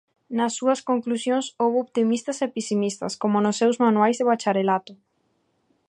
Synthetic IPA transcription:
nɐsːuɐskoŋklusjõŋsowβoβt̪imist̪ɐsepisimist̪ɐ̰skomʊnʊsːewzmanuajzðeβat͡ʃaɾelat̪ʊ

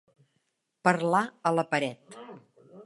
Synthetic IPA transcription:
pəɾlaələpəɾɛt̪

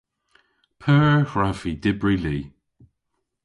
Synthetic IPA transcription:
pʰɜːɹhɹavid̪ɪbɹiliː

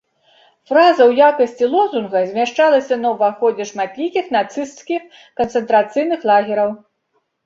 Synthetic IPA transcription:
fɾazɐwjakɐsʲt͡sʲilˠɔzunɣɐzʲmʲaʂt͡ʂalˠɐsʲɐnɐwvaxɔd͡zʲɛʂmat̪lʲikʲixn̪at̪sɨst̪skʲix | kɐnt̪sɛnt̪ɾat̪sɨjnɨxlˠaɣʲɛɾɐw

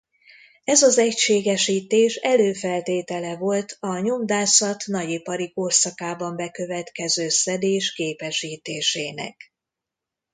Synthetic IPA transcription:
ɛzɒzɛcʃeːɡɛʃiːt̪eːʃɛløːfɛlt̪eːt̪ɛlɛvo̞lt̪ʰɒɲo̞md̪aːsɒt̪nɒɟipɒɾikorsɒkaːbɒmbɛkøvɛt̪kɛzøːsɛd̪eːʃkeːpɛʃiːt̪eːʃeːnɛ̰k

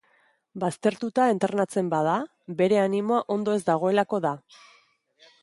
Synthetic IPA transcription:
bast̪e̞ɾt̪ut̪ae̞nt̪e̞rnat͡se̞mbað̞a | be̞ɾe̞animo̞aʔo̞nd̪o̞e̞zd̪aɣ̞o̞e̞lako̞ða

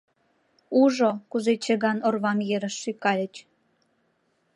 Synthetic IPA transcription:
uʒokuzet͡ɕəɣɑnorβɑmjeɾə̆ʃːykɑlʲə̆t͡ɕ

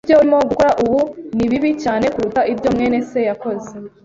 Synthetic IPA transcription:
jo̞uɾimo̞ɡuko̞ɾaʔuβuniβiβicaːne̞kuɾutaʔibjo̞mŋe̞ːne̞se̞jako̞ze

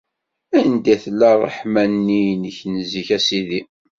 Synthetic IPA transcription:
ænd̪æθlærˤːə̰ħmænːinəçnəziçæsiði

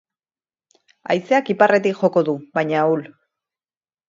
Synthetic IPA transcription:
a̰jseakiparʔe̞t̪ikʝo̞ko̞ðuβajɲaul

